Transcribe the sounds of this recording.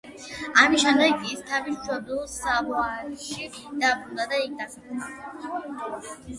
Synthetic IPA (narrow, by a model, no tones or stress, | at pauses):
amiʃɛnɾɛɡist̪ʰavist͡ʃʰɔbusabɔaɾʃi | d̪̥abɾund̪ad̪aik̚ʰd̪asakunaɛ